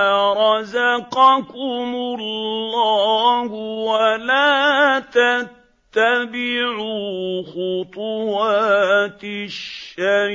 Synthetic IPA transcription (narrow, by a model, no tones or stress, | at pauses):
ɾˤɑzaqɑkʊmʊllːɑːhwalaːt̪at̪ːabɪʕuxʊt̪ˤʊwaːt̪ɪʃːa